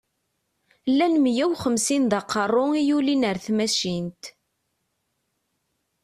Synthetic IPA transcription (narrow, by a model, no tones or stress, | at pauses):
lːænmjæwχəmsinðɑqːərˤːʊijulinəɾθmæʃint̪